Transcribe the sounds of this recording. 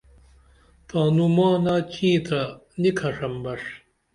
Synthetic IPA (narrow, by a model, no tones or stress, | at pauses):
t̪ãːnumɑ̃ːnat͡ɕĩːt̪ʰɐnikʰɐʂɐmbɐʂ